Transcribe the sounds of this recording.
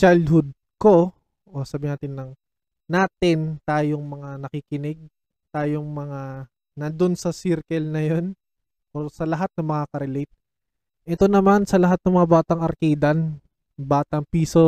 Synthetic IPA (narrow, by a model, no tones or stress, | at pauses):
t͡ʃajld̪hʊd̪̚ | ko̞ | ʔosaːbɪnaːt̪ɪnːɐŋ | naːt̪ɪnt̪aːjoŋmɐŋanɐkikɪnɪɡ̚ | t̪aːjoŋmɐŋa | nɐnd̪onsɐsiɾkɛlnɐjon | ʔosɐlɐɦat̪̚nɐŋmɐŋakɐɾɛlɛjt̪̚ | ʔɛt̪o̞nɐmansɐlɐɦat̪̚nɐŋmɐŋabaːt̪ɐŋɐɾkiːd̪ɐn | baːt̪ɐŋpiːso̞